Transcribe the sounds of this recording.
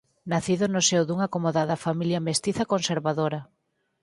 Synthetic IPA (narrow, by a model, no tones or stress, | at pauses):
naθiðʊnʊsewðuŋakomoðaðɐfamiljɐmest̪iθɐkonseɾβaðoɾɐ